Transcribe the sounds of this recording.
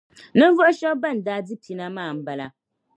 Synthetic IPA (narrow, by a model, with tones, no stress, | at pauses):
nɨ˦n˦vɔ˦ʔʊ˦ʃɔ˦ba˦˨n̩˨daː˦dɨ˦pʰi˦na˦maː˦˨m̩˦ba˦la˨